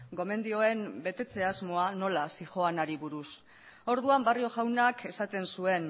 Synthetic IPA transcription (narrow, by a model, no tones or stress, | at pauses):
ɡo̞me̞nd̪io̞e̞mbe̞t̪e̞t͡se̞azmo̞ano̞lasiʝo̞anaɾiβuɾus | o̞ɾðuambario̞ʝawnake̞sat̪e̞nsue̞n